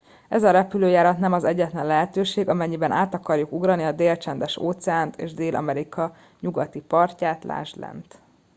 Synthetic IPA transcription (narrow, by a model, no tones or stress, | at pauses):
ɛzɒɾɛpyløːjaːɾɒt̪nɛmɒzɛɟːɛt̪lɛnlɛɦɛt̪øːʃeːɡɒmɛɲːibɛnʔaːt̪ɒkɒrjukuɡrɒniɒd̪eːlt͡ʃɛnd̪ɛʃo̰ːt̪sɛaːnt̪eːʒd̪eːlʔɒ̰mɛɾikɒ | ɲuɡɒt̪ipɒrcaːt̪lʔa̰ːʒd̪lɛ̰nt̪